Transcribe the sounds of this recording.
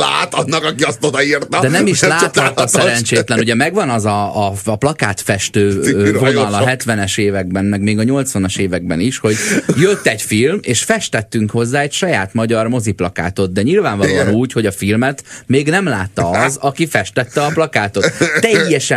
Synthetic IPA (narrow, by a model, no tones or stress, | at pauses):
la̰ːt̪ɒnːɒkɒkiɒst̪od̪ɒirt̪ɒd̪ɛnɛmiʃlaːt̪ɒt̪ːɒsɛɾɛnt͡ʃeːt̪lɛnuɟɛmɛɡʋɒnɒzɒːplɒka̰ːt̪fɛʃt̪øːvo̞nɒlɒɦɛt̪ʋɛnɛʃeːvɛɡ̚bɛnmɛɡmeːɡɒɲo̞lt̪sʋɒnɒʃeːvɛɡ̚bɛniʃho̞ɟjøt̪ːɛcfilmḛːʃfɛʃt̪ɛt̪ːyŋkho̞zːaːɛcʃɒjaːt̪mɒɟɒrmo̞ziplɒka̰ːt̪o̞t̪̚d̪ɛɲilvaːɱvɒlːɒnuːcho̞ɟɒfilmɛt̪meːɡnɛmlaːtt̪ːɒɒzɒkifɛʃt̪ɛt̪ːɛɒplɒkaːt̪o̞t̪t̪ːɛjːɛʃɛ